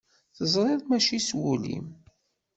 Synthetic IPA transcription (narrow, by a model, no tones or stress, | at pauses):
θəzˤɾˤeðˤmæʃiswulḭm